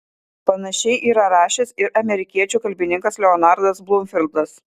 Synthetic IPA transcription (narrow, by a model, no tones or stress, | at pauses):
pɐnɐʃʲɛɪʔiːɾɐɾɑːʃʲesɪɾʔɐmʲɛɾʲɪkʲiɛt͡ʃʲuːkɐlʲbʲɪnʲɪŋkɐslʲɛɔnɑɾd̪ɐsblˠʊmʲfʲɪlʲˠd̪ɐs